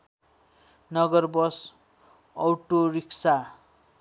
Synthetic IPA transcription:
nʌɡʌrbʌs | ʌwʈoriksa

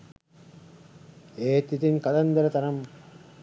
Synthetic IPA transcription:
eːt̪ːit̪inkɐd̪ɐnd̪ɐɾɐt̪ɐnɐm

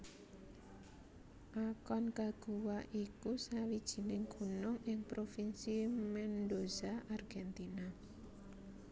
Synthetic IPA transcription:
ʔakɔnkaɡ̥uwaʔikusawid̥ʒ̥i̤nɪŋkʰunʊŋʔɪŋpɾofinsimɛndozaʔarɡ̥ɛnt̪ina

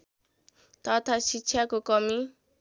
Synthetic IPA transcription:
t̪ʌt̪ʰasikt͡sʰjakokʌmi

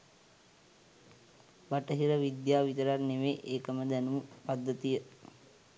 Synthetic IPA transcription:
baʈəɦiɾəʋid̪jaːʋit̪əɾarneʋeːʔeːkəməd̪ænumupad̪ːət̪ijə

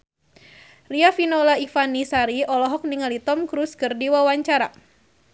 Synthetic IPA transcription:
riafinɔlaifanisaɾiɔlɔɦɔk̚niŋalit̪ɔmkɾuskɨrdiwawaɲt͡ʃaɾa

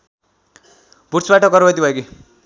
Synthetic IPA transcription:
bʱurt͡sbaʈʌkʌɾbʌt̪ibʱʌjoki

